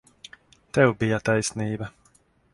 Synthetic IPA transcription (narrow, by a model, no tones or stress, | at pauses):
t̪ɛwbijat̪ajsniːbɐ